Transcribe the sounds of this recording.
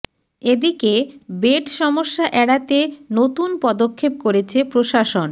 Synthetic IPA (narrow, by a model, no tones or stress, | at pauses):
ed̪ikebeʈʃɔmoʃːaʔɛɽat̪enot̪unpɔd̪okʰːep̚koɾet͡ɕʰepɾoʃaʃon